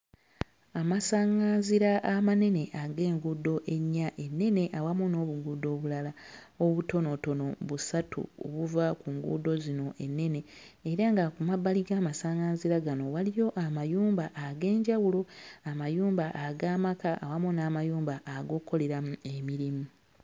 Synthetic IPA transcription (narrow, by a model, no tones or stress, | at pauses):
amasaːŋaːnziɾaʔamane̞ne̞ʔaɡe̞ːŋɡuːdo̞ʔe̞ɲːaʔe̞nːe̞ne̞ʔawamuno̞ːβuɡuːdo̞ːβulala | oβuto̞noto̞no̞βusatʰṵo̰βuvakuŋɡṵːdo̞zino̞ʔe̞nːe̞ne̞ː | ɾaŋɡakumabːaliɡaːmasaːŋaːnziɾaɡano̞walijo̞ʔamajuːmbaʔːɡe̞ːɲɟawulo̞amajuːmbaʔaɡaːmakaʔawamunaːmajuːmbaʔːɡo̞ːkːo̞le̞ɾamue̞miɾimu